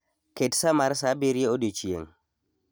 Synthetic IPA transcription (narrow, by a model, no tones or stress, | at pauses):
ketsamaɾsabeɾieodet͡ʃijḛŋ